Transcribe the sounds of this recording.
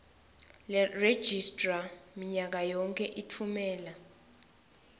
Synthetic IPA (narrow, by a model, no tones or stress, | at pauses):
lɛred̥ʒ̥istʼramiɲak̬ajɔŋkʰʼɛʔitʰumɛːla